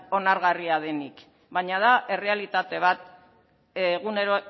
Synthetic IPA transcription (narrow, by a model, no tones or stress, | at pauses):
o̞naɾɣariað̞e̞nik | βajɲaðaʔe̞re̞alit̪at̪e̞β̞at̪̚ː | ɣune̞ɾo